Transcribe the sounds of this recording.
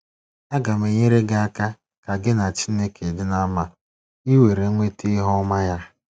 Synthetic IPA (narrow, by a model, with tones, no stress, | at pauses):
a˦ɡa˨me˨ɲe˦ɾe˦ɡa˦a˦ka˦ | ka˨ɡɪ˦na˨t͡ʃi˦ne˦kʰe˨dɪ˦na˦ma˦ | i˦we˨ɾe˨˦ŋʷe˦ti˦ɦɔ˦ma˦ja˦